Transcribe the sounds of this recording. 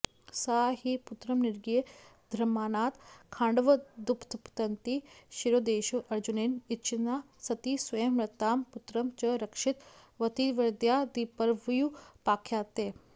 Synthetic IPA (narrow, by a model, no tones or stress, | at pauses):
saːɦiːput̪ɾɐmniɾɡije | d̪ʱɾɐmːaːnaːt̪kʰãːɳɖʋɐd̪upt̪pt̪ɐnt̪iʃiɾoːd̪eːʃuʔɐɾd͡ʒuneːnit̪t͡ʃʰinaː | sɐt̪iːsʋɐjəmɾɐt̪aːmput̪ɾɐmt͡ʃɐɾɐkʂɪt̪ʋɐt̪iʋɐɾd̪jaːd̪ipɐɾʋjupaːkʰjaːt̪eː